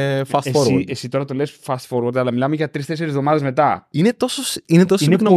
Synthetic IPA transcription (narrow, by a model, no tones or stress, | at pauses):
fɐst̪foɾwoesit̪o̞ɾɐt̪olesfɐst̪foɾwoɾt̪ɐlɐmilɐmeʝɐt̪ɾist̪e̞seɾizvðo̞mɐðe̞zme̞t̪ɐinet̪o̞sosinet̪o̞sinekn